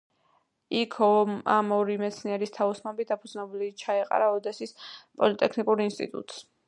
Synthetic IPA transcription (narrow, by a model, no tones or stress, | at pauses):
ikʰɔamɔɾimɛt̪sʰniɛɾist̪ʰaɔsnɔbid̪apʰud̪znɛbulit͡ʃʰaɛqʼa̰ɾaɔd̪ɛsispʼɔlit̪ʼɛkʰnikʼuɾinst̪ʼḭt̪ʼṵt̪ʼs